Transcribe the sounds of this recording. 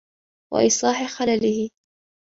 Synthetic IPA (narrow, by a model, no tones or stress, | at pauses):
wa̰ʔiːsˤlɑːħɪxalalɪhɪ